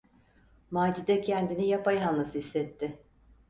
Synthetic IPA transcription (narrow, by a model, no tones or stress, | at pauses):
maːd͡ʒid̪ɛcʰɛnd̪inijapajɦanlˠasɯisːɛt̪ʰːɪ